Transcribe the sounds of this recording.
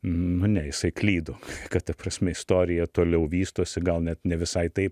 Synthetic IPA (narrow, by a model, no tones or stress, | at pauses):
nʊnʲɛjɪsɐɪklʲiːd̪oːkɐtt̪ɐpɾɐsʲmʲɛɪst̪oːɾʲɪjɛt̪oːlʲɛʊʋʲiːst̪oːsʲɪɡɐlˠnʲɛt̪nʲɛʋʲɪsɐɪt̪ɐɪp